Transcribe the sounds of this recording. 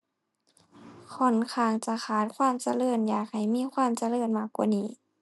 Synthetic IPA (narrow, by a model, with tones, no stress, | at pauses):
kʰɔ˧˩nkʰaː˧˩ŋt͡ɕa˧˦xʰaː˨˩˦t̪̚kʰwaː˧˥˨mt͡ɕa˧lɤː˧˩njaː˨˩k̚ha˨˩jmiː˧˥˨kʰwaː˧˥˨mt͡ɕa˧lɤː˧˩˨nmaː˧˩kwaː˧˨niː˧˩